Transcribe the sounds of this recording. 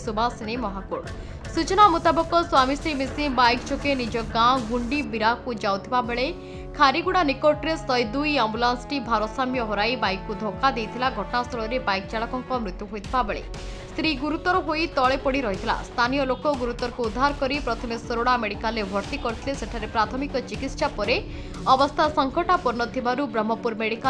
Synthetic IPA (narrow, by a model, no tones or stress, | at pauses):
subʱasinemɔɦakuɽ | sut͡ʃɔnamut̪abɔkɔswamisɾimisibajkt͡ʃʰokenid͡ʒɔɡãɡuɳɖibiɾakud͡ʒawt̪ʰibabeɭe | kʰaɾiɡuɽ̃anikoʈɾesɔjd̪ujambulansʈibʱaɾɔsamjɔɦɔɾajbajkːud̪ʱokad̪ejt̪ʰilaɡʱɔʈɔnast̪ʰɔɭɔɾebajkɔt͡ʃaɭɔkɔŋkɔmɾut̪juɦojt̪ʰibabeɭḛ | st̪ɾiɡuɾut̪ɔɾɔɦojt̪ɔɭepɔɽiɾɔɦit̪ʰila̰st̪ʰanijɔlokɔɡuɾut̪ɔɾɔkuud̪ʱːaɾɔkɔɾipɾɔt̪ʰɔmesɔɾoɽameɽikalebʱɔɾt̪ikɔɾut̪ʰileseʈʰaɾepɾat̪ʰɔmikɔt͡ʃikit̪sapɔɾe | ɔbɔst̪ʰasɔŋkʰɔʈapɔɾnɔt̪ʰibaɾubɾɔmːɔpuɾmeɽika